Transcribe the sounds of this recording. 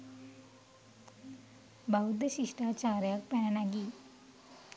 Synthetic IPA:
baud̪əɕiʂʈat͡ɕaɾjak̚pɛɳnaɡi

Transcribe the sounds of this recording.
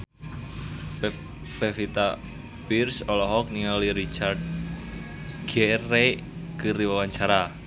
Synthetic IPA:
pefit̪a | pirsɔlɔɦɔk̚niŋaliɾit͡ʃard̪̚ | ɡ̥ɛre | kɨɾiwawaɲt͡ʃaɾa

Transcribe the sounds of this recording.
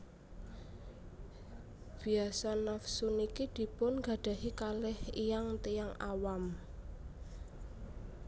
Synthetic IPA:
b̥i̤asanafsunikid̪̥i̤pʊnɡa̤ɖ̥a̤ɦikalɪhijaŋt̪ijaŋawam

